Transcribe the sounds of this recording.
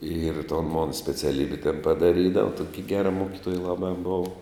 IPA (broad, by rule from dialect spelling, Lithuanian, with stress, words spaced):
ɪr toːn moːn sʲpʲɛt͡sʲɛˈlʲiːbʲɪ tʲɛn pɐdɐˈrʲiːdɐʋɐ ˈtoːkʲɪ ˈɡʲæːrɐ ˈmoːkʲɪtoːjɛ ˈlˠɑːbɑː ˈboːʋɐ